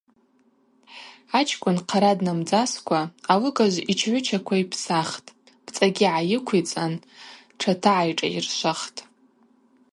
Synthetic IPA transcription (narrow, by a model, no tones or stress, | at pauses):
at͡ʃʰkʷʼʊnqʰaɾadnamd͡zaskʷʰaːwɨɡaʒʷit͡ʃʰʕʷʊt͡ʃʰakʷʰaipʰsaχtʼ | b̥t͡sʼaɡʲiʕajɪkʷʰit͡sʼan | ʈ͡ʂʰatʰaʕajʈ͡ʂʼa̰ḭrʃʷaχtʼ